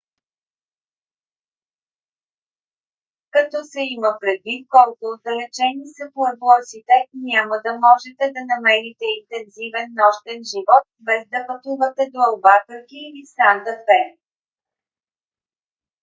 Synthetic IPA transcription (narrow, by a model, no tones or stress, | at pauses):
kɐt̪ɔsɛiməpɾɛd̪vit̪̚kɔlˠkʊːd̪ɐlɛt͡ʃɛnisɐpˠəvlˠɔsit̪ɛnʲaməd̪ɐmɔʒɛt̪ɛd̪ɐnɐmɛɾit̪ɛint̪ɛnzivɛnːɔʃt̪ɛnʒivɔt̪̚bɛzd̪ɐpɐt̪uvət̪ɛd̪oɐlˠbak̪əɾkiisand̪ɐfɛ